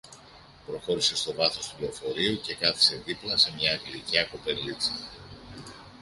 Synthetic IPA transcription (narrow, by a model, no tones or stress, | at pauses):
pɾo̞xo̞ɾise̞st̪o̞vɐθo̞st̪upleo̞fo̞ɾiuce̞kɐθi̥se̞ðiplɐse̞mɲɐːɡliciɐko̞pe̞nlitsi